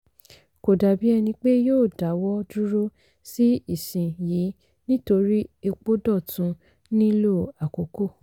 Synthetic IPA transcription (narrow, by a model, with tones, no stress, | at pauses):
ko˨da˨bi˨˦ɛ˧nĩ˧k͡pe˦joː˦˨da˨˦wɔ˦du˦ɾo˦ | si˦i˦˨sĩ˨jiː˨˦ | nĩ˦to˧ɾi˦e˧k͡po˦dɔ˦˨tũ˧˦ | nĩ˦lo˦˨a˨ko˨ko˦˨